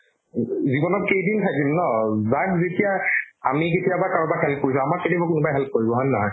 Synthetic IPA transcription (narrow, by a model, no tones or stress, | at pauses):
zibɔnɔt̚kejdintʰajdimnɔzakzetijaamik̬etijabakaɹubahɛlp̚koɹis̬ɔ̃amaɹketiabɔkʊnubajɦɛlp̚koɹibɔɦɔ̃naɦɔ̃j